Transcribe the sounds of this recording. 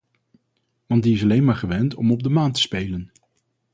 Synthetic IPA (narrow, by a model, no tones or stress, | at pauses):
ʋɑndiɪs̬ɑlejnmaːɹχəʋɛntɔmɔb̚dəmaːntə̥spejlən